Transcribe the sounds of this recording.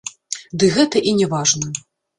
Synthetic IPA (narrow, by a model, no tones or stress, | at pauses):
d̪ɨɣɛt̪ɐʔinʲɛvaʐnɐ